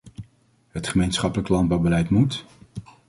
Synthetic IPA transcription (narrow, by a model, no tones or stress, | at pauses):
ɦətχəmejnsχɑpələklɑnd̚bɑwbəlɛjtmut